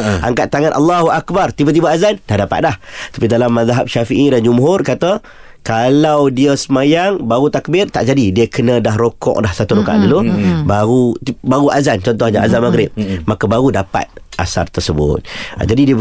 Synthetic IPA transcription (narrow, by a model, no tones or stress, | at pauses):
ʔa̰ŋkat̪ːaŋanʔalːaɦuʔakbart̪ibat̪̬ibaazand̥ahdapa̰t̪̚laht̪ḁpidalamːaðɦap̚ʃafiʔidand͡ʒumɦʊrkat̪ə | kalawdiəsəmajaŋbaɣut̪ak̚bɪrt̪a̰ʔd͡ʒadidiəkənə̃daɦɾokɔ̰ʔdahsat̪uɾoka̰ʔdəlubaɣubaɣuʔazant͡ʃɔnt̪ʊhɲaazanmaɡɾɪp̚makəbaɣudapa̰t̪̚a̰sa̰rt̪ərsəbʊ̰t̪̚d͡ʒadidiə